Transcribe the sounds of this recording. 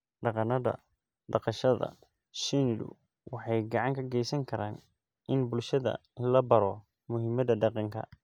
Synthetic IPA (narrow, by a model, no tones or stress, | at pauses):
ɖɑqɑnɐðɐ̰ | ɖɑqɑʃɐðɐ̰ | ʃinlʊ̰ | wʔɑħɑjɡɑʕɑŋkʰɐɡɛjsɐŋkʰɐɾaːn | ʔɪnbʊlʃɐðɐ̰lɐbɐɾɔ | mʊɦɪmɐðɐɖɑqɑŋkʰɐ̰